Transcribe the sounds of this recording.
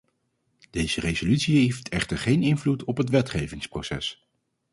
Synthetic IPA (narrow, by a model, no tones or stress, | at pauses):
d̥ejz̥ərezolytsieftʰɛχtəɹχejnɪnvlutɔpɦətʋɛtχejvɪŋsprowsɛ̰s